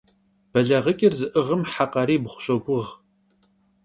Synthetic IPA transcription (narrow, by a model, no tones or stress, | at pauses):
b̥ɐɮɐʁəkʲʼɪrzɨʔɨʁəmħaqɑɾiːbχʷʊ̥ɕʼɐɡʷʊʁ